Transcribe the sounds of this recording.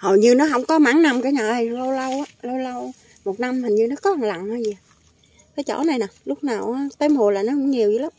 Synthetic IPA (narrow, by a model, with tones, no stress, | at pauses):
hə˨˩ɲɨ˧nɔ˨˦ɦə˧wŋ͡mkɔ˨˦maː˧˥˦ŋna˧mkaː˨˦jɲəː˧˨˩ʔlo˧wlə˧waː˨˦lə˧wlə˧w | mo˨˩t̚na˧mə˨˩ŋɲɨ˧nɔ˨˦kɔ˨˦ha˨˩ŋla̰˧˨ŋhaː˧zi˨˩ | kaː˨˦jt͡ɕɔ̰˧˩˦na˨˩jnɔ˨˩lʊ˦˥k͡p̚naː˨˩wʔːt̪e˧˦mho˨˩laː˨˩nɔ˨˦kʊ˧˥ŋ͡mɲi˨˩əjzɨ˨˧˦la˨˦ŋ͡m